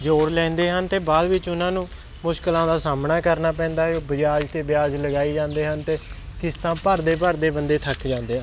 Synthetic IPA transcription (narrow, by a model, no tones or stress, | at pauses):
d͡ʒoːɾlɛ̃ːnd̪eːɦənt̪eːbaːlʋɪt͡ʃʊnãːnũː | mʊʃkəlãːd̪aːsaːmnaːkəɾnaːpɛ̃ːnd̪aːɦɛobəd͡ʒjaːd͡ʒt̪eːbɪjaːd͡ʒləɡaːiːd͡ʒãːnd̪eːɦənt̪eːkɪst̪ãːpəɾd̪eːpəɾd̪eːbənd̪eːt̪ʰəkʰd͡ʒãːnd̪eːɦə̃